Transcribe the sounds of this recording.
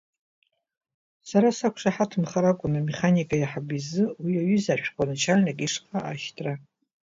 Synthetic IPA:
saɾasakʷʂaħatʰɨmχaɾakʷʼʊnameχanikʼajaħabizɨwiaɥʏzaʃʷᶣqʷʼanɨt͡ʃʰalnakʲʼiʂχaaʃtʰʼra

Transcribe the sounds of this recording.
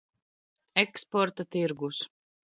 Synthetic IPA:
ɛkspɔɾt̪at̪iɾɡus

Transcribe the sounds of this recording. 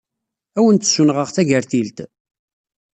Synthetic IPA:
æwənt̪sunʁəʁθæʝəɾθilt̪

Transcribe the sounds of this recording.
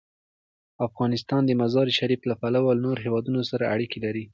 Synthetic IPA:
afɣɑnɪst̪ɑnd̪əmazɑɾʃaɾiflapalawalnoɾoɦewɑd̪unosaɾaʔaɽikelaɾi

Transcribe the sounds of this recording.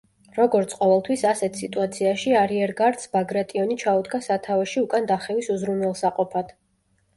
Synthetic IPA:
ɾɔɡɔɾt̪sʰqʼɔvɛlˠt̪ʰwisasɛt̪ʰsit̪ʼuat̪sʰiaʃiaɾiɛɾɡaɾt̪sbaɡɾat̪ʼiɔnit͡ʃʰaud̪ɡasat̪ʰavɛʃiukʼand̪aχɛvisuzɾunwɛlˠsaqʼɔpʰad̪̥

